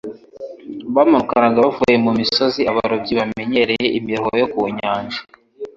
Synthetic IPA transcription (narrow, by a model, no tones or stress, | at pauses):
βamuɾukanaɡavuje̞mumiso̞ziaβaɾobɟiβame̞ɲe̞ɾe̞je̞ʔimiɾohojokuuɲaːɲʒḁ